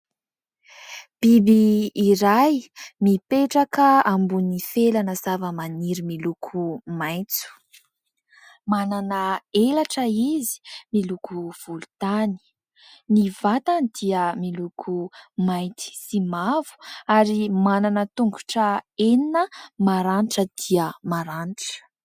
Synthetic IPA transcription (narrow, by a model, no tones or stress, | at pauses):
b̥ibiːɾajmipeʈ͡ʂakəambunifelanəzavəmaniɾimilukʰumaj̃nt͡su̥ | mananəelaʈ͡ʂəizi̥milukuv̥ulut̪ani̥ | nivat̪anid̪̥iəmilukʰumajnt̪i̥simavu̥aɾimananət̪uŋɡu̥ʈ͡ʂəeninəmaɾaniʈ͡ʂəd̪̥iəmaɾanʈ͡ʂə̥